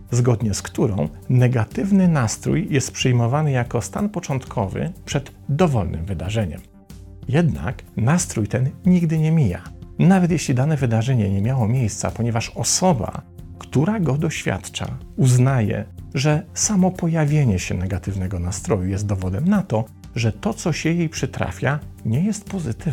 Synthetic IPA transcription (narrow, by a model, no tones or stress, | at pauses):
zɡɔd̪ɲɛskt̪uɾɔ̰̃w̃ | nɛɡat̪ɘvnɘnast̪ɾṵjjɛst̪̚pʂɛjmɔvanɘjakɔst̪anpɔt͡ʂɔnt̪kʰɔvɘ̰pʂɛd̪ | d̪ɔvɔlnʔɘ̰mvɘd̪aʐɛɲɛ̰m | jɛd̪na̰knast̪ɾujt̪ɛnɲiɡd̪ɘɲɛmʲija̰navɛt̪̬jɛɕlʲid̪anɛvɘd̪aʐɛɲɛɲɛmʲjawɔmʲjejst̪sa̰pɔɲɛvaʂɔsɔba̰ | kt̪uɾaɡɔd̪ɔɕfʲja̰t̪t͡ʂa̰ | uznajɛ̰ʐɛsamɔpɔjavʲjeɲɛɕɛ̰nɛɡat̪ɘvnɛɡɔnast̪ɾɔjujɛst̪̚d̪ɔvɔd̪ɛmnat̪ɔ | ʐɛt̪ɔt̪sɔɕɛjejpʂɘt̪ɾa̰fʲjaɲɛjɛst̪pɔzɘt̪ɘv